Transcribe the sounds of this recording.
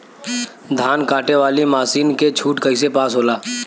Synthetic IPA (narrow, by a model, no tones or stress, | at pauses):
d̪ʱaːnkaːʈeʋaːlimaːsiːnket͡ʃʰuːʈkəɪs̬epaːsɦoːlaː